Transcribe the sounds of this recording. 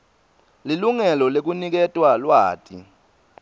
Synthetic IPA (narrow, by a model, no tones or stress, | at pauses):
liluŋɛlɔlek̬unik̬ɛtʼwalwaːtʼḭ